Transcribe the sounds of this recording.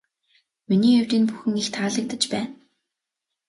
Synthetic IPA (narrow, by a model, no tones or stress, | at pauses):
miniːew̥ʲt̪iːnpuxɘ̆ŋixt̪ʰaːɮə̆k̚t̪ə̆t͡ɕpæːn